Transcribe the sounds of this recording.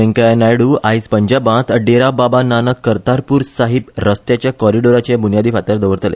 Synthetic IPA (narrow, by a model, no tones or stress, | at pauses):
ɛ̃ŋkajnajɽuːajispəɲd͡ʑabãt̪əɖeɾababananəkːəɾt̪aɾpuːɾsaɦipɾəst̪jat͡ɕjakɔɾiɖoɾat͡ɕabunijad̪iːfat̪aɾd̪əʋəɾt̪əlḛ